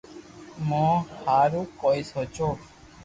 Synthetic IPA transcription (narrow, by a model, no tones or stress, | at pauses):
mɔ̃haɾukɔjsɔt͡ʃo